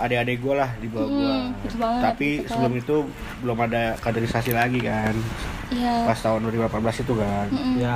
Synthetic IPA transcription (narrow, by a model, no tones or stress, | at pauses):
adaadaɡualahdibawauat̪apisəbəlʊmit̪u | bəlʊmadakat̪eɾisasilaɡikan | apast̪aɦʊnduaɾibulapat̪bəlasit̪uɡanja